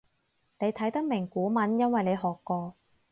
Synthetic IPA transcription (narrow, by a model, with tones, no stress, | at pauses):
ne˨˧jt̪ʰɐ˨˥jt̪ɐ˥k̚mɪ˨˩ŋkuː˨˥mɐ˨˥njɐ˥nwɐ˨jne˨˧jɦɔː˨kːɔː˧